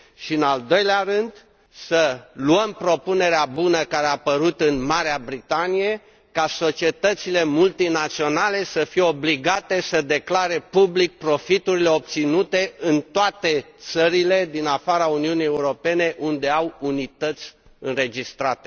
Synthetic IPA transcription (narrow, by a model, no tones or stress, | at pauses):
ʃiɨnald̪o̞jleaɾɨnd̪ | səluəmpɾo̞pune̞ɾeabunəkaɾeapəɾut̪ɨnmaɾeabɾit̪anije̞ | kaso̞t͡ʃie̞t̪ət̪sile̞mult̪inat̪sio̞nale̞səfijeo̞bliɡat̪e̞səd̪e̞klaɾe̞publik̚pɾo̞fit̪uɾile̞o̞p̚t̪sinut̪e̞ɨnt̪oat̪e̞t̪səɾile̞d̪inafaɾauniunije̞uɾo̞pe̞ne̞ʔund̪e̞awunit̪ət̪sʲ | ɨnɾe̞d͡ʒist̪ɾat̪e